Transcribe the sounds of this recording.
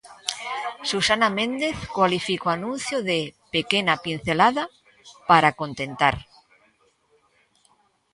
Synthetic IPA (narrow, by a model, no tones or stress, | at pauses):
susanamẽnd̪eθkwalifikoanũn̟θjoðepekenapin̟θelaða | paɾakont̪ent̪a̰ɾ